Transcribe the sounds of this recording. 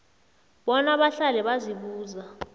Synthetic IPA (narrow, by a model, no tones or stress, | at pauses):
ɓɔnaɓaɬalɛɓaziɓuːza